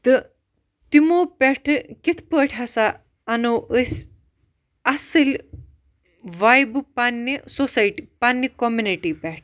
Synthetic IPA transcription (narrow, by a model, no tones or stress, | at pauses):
t̪ɨ | t̪imopʲeʈʰɨkit̪ʰpəːʈʲʰasa | ɐnowəsʲ | ɐsɨlʲ | ʋajbɨpanːisosajʈipanːɐkomjuniʈipʲɛʈʰ